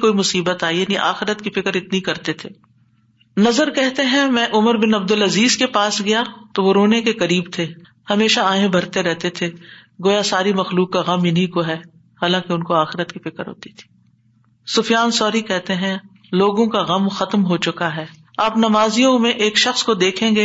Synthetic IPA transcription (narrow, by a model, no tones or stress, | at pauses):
koːimʊsiːbət̪aːinĩʔa̰ːxɪɾət̪kifɪkəɾɪt̪nikɐɾt̪et̪ʰeː | nɐzəɾkɛɦt̪eɦɛ̃mɛ̃ːʔʊməɾbɪnɐb̚d̪ʊlɐziːzkepaːsɡɐjat̪oʋoɾoːnekekɐɾiːbt̪ʰe | hɐmeːʃaaːẽbʱɐɾt̪eɾɛɦt̪et̪ʰe | ɡoːjasaːɾimɐxluːkːaɣɐmjɪnɦikoɦɛː | haːlãːkeʊnkoaːxɪɾət̪kifɪkəɾɦo̰ːt̪i̥t̪ʰi̥ː | sʊfjaːnsɔːɾikɛɦt̪eɦɛ̃ | loːɡõkaɣɐmxɐt̪mɦot͡ʃʊkaɦɛː | aːpnɐmaːzijõmẽʔeːkʃɐxskod̪eːkʰẽːɡeː